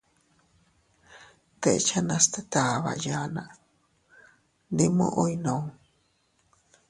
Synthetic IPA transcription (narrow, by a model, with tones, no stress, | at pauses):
t̪e˨ʔt͡ʃa˦nã˧st̪et̪a˨βa̰˨ʔja˦nã˨ʔ | ndi˦mõ̰˦ʔojnõ˨